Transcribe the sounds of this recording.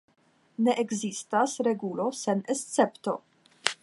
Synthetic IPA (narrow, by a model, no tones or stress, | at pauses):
neʔeɡzistasɾeɡulo̞senest̪t͡se̞pto̞̰